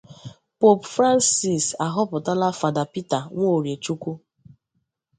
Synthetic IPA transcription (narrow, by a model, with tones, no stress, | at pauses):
po˦pfɾa˦nsi˨sa˨ɦɔ˦pʊ˨ta˦la˦fa˨da˨pi˦ta˨ŋʷo˦˨ɾje˨t͡ʃu˦ku˦